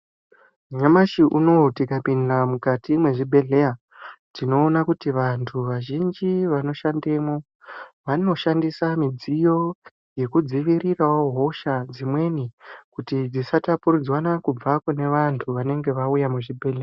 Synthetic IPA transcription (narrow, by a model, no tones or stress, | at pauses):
ɲamaʃiʔuno̞tikapindamukatimwe̞ʐibʱe̞ɮe̞ja | tino̞ːnakutiʋantʰuʋaʒind͡ʒiʋano̞ʃande̞mo | ʋano̞ʃandisamid͡zijo̞ | je̞kud͡ziʋiriraoɦo̞ʃad͡zimwe̞nikutid͡zisatapuɾud͡zwanakub͡vakune̞ʋantʰuʋane̞ŋɡe̞ʋaujamuʐibʱe̞ɮea